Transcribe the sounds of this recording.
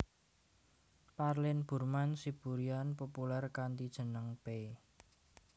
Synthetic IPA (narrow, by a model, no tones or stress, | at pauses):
parlɪnb̥ṳrmansib̥ṳɾianpopularkant̪id̥ʒ̥ə̤nəŋpe